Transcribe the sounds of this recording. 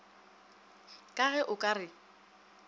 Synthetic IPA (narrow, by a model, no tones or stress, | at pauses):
kʼaɣɛʔʊkʼarɪ